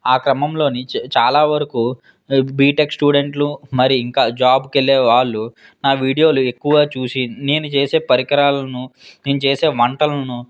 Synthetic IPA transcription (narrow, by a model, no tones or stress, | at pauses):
aːkɾɐmɐmlo̞ːnit͡ʃaːlaːʋɐɾɐku | biːʈeksʈuːɖe̞ɳʈlumɐɾiːŋkaːd͡ʒaːbkeɭːeːʋaːɭːu | naːʋiːɽijo̞ːlue̞kːuʋaːt͡ʃuːsineːnut͡ʃeːse̞ːpɐɾikɐɾaːlɐnuneːnut͡ʃe̞ːse̞ːʋɐɳʈɐlɐnu